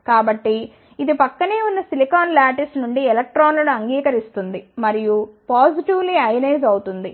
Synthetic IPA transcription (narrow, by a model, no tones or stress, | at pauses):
kaːbɐʈːiː | d̪ipɐkːɐne̞ːunːɐsilikaːnlaːʈisnuɳɖiɛlɐk̚ʈɾaːnlɐnuɐŋɡiːkɐɾist̪und̪imɐɾijupaːd͡ʒiʈiʋliɐjɐnɐjd͡ʒɐwut̪und̪i